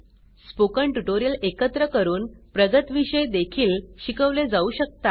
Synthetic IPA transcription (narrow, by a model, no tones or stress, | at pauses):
spokəɳʈuʈoɾijəlekət̪ɾəkəɾuːnpɾəɡət̪ʋiɕəjd̪ekʰiːlɕikəʋled͡zauːɕək̚t̪a